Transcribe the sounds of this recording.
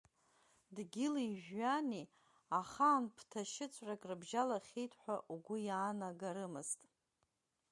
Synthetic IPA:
dɡʲɪliʒᶣːani | aχaːnpʰtʰaʃɪt͡sʷʰʼrakʼrɨbʒalaχʲejtʰʼħʷᶣaʔuɡʷʊjaːnaɡaɾɨmɨztʼ

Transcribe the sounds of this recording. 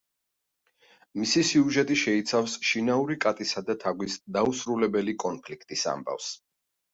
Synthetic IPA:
misisiuʒɛt̪ʼiʃɛit̪sʰafsʃinauɾikʼat̪ʼisad̪at̪ʰaɡwisd̪ausɾulɛbɛlikʼɔnpʰlikʰt̪ʼisa̰mba̰fs

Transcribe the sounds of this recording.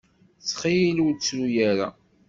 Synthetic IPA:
θχiiluwt͡sːɾujaɾa̰

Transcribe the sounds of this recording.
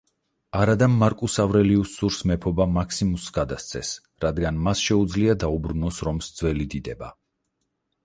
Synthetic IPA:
aɾad̪amːaɾkʼusavɾɛliusuɾsmɛpʰɔbamakʰsimusɡad̪ast̪sʰɛs | ɾad̪ɡanmasʃɛud̪zliad̪aubɾunɔsɾɔmsd̪zvwɛlid̪id̪ɛba̰

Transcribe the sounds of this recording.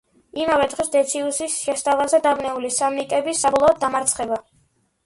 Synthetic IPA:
imavɛd̪ʁɛsd̪ɛt̪sʰiusisʃɛst̪ʼavazɛd̪abnɛulisamikʼɛbisabɔlˠɔɔd̪̚ːamaɾt̪sʰχɛba

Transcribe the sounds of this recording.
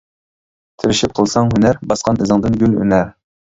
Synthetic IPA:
t̪ʰɪɾɪʃip̚qʰəlˠsɑŋɦynæɾbɑsqɑnɨzɨŋd̪ɨnɡʲylhy̰næɾ

